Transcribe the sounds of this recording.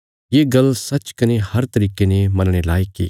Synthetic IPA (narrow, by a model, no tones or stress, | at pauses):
jeɡɐlsɐt͡ʃkɐnehɐɾt̪ɐɾiːkenemɐnɽ̃elaːikḭː